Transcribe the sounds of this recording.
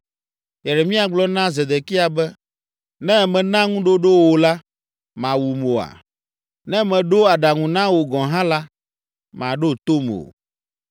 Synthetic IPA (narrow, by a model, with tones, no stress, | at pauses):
jɛ˨ɖɛ˨mĩ˦a˨ɡ͡blɔ˦nã˦ze˨d̪e˨ki˦a˨bɛ˦ | nɛ̃˦mɛ̃˨nã˦ŋũ˦ɖo˦ɖo˦wo˨la˦ | mã˨wu˨mo˨a̰˨ | nɛ̃˦mɛ̃˨ɖo˦a˨ɖa˨ŋũ˨nã˦wo˨ɡɔ̃˨ɦã˦la˦ | mã˨ɖo˦t̪o˦mo̰˨